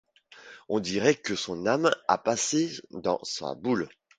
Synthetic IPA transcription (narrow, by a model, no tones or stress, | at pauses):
ɔ̃d̪iʁɛkəsɔ̃nama̰pased̪ɑ̰̃sa̰bul